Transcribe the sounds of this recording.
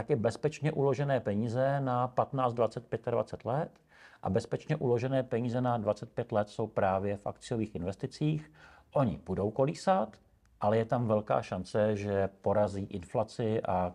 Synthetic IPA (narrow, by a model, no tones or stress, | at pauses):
t̪akɛbɛspɛt͡ʃɲɛʔulo̞ʒɛnɛːpɛɲiːzɛnapat̪naːt͡st̪dvat͡sɛt̪̚pjɛt̪adva̰t͡sɛt̪lɛt̪ | ʔa̰bɛspɛt͡ʃɲɛʔulo̞ʒɛnɛːpɛɲiːzɛnadvat͡sɛt̪̚pjɛt̪lɛt̪so̞wpɾaːvjɛfʔa̰kt͡sɪjo̞viːxʔɪnvɛst̪ɪt͡siːx | ʔo̞ɲɪ̰b̥udo̞wko̞liːsat̪ | ʔalɛjɛt̪amvɛlka̰ːʃant͡sɛʒɛpo̞ɾaziːʔɪnflat͡sɪʔa